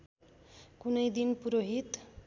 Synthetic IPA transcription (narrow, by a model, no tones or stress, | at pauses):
kunʌjd̪inpuɾoɦit̪